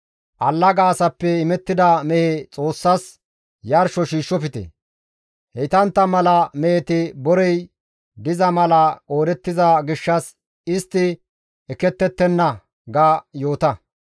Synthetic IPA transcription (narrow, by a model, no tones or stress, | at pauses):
ʔɐlːɐɡaːsɐpːɛɪmɛt̪ːɪd̪ɐmɛhet͡sʼo̞ːsːɐs | jɐɾʃɔʃiːʃːɔfɪt̪ɛ̰ | hɛt̪ɐnt̪ːɐmɐlɐmɛɛt̪ɪbɔɾɛj | d̪ɪzɐmɐlɐkʼo̞ːɾɛt̪ːɪzɐɡɪʃːɐs | ɪst̪ːɪ | ɛkːɛt̪ːɛt̪ːɛnːɐ | ɡaːjo̞ːt̪ɐ